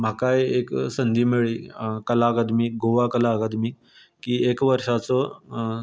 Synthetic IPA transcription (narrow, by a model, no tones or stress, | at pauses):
m̤akajeksənd̪imeɭiːkəlakəd̪miːk̚ɡoʋakəlakəd̪miːk | kːiːekʋəɾʂat͡sɔ